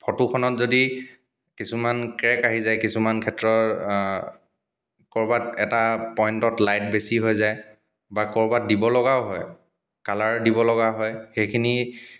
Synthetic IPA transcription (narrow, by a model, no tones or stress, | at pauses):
pʰɔtukʰɔnɔtzodi | kisumankɹɛkaɦizajkisumankʰɛtɹɔ | kɔɹbatɛtapɔjntɔtlajt̚besiɦojzaj | bakɔɹbat̚dibɔlɔɡaoɦɔj | kalaɹdibɔlɔɡaɦɔjxejkʰini